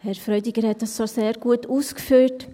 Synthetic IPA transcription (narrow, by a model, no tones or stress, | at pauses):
hɛɾfɾœʏdiɡəɾhɛt̚dɑssoseːɾɡuətuːskfyːt